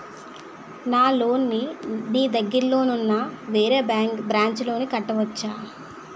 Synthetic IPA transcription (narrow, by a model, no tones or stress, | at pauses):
naːlo̞ːnːiniːd̪ɐɡːiɾlo̞ːnunːɐʋeːɾeːbaːŋkbɾaːɲt͡ʃlo̞ːnikɐʈːɐʋɐt͡ʃːaː